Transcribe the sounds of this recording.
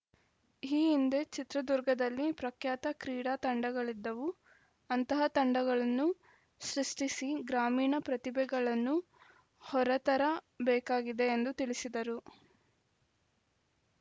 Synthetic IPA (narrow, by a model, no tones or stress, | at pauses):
iːind̪e̞t͡ʃit̪ɾɐd̪uɾɡʱɐd̪ɐlːipɾɐkjaːt̪ɐkɾiːɽaːt̪ɐɳɖɐɡɐɭid̪ːɐʋu | ɐnt̪ɐɦɐt̪ɐɳɖɐɡɐɭɐnːu | ʃɾiʂʈisiɡɾaːmiːɳɐpɾɐt̪ibɛɡɐɭɐnːu | hɔɾɐt̪ɐɾɐ | bɛːkaːɡid̪e̞ːnd̪ut̪iɭisid̪ɐɾu